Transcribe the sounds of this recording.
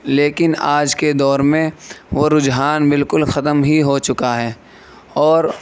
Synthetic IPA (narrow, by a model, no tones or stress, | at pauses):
leːkɪnaːd͡ʒked̪ɔːɾmẽʋoɾʊd͡ʒɦaːnbɪlkʊlxɐt̪əmɦiɦot͡ʃʊkaɦɛː | ɔːɾ